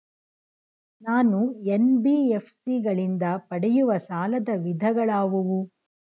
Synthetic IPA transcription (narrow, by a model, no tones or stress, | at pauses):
naːnuenbiːepʰsiɡɐɭind̪ɐpɐɽɛjuʋɐsaːlɐd̪ɐʋid̪ʱɐɡɐɭaːʋuʋu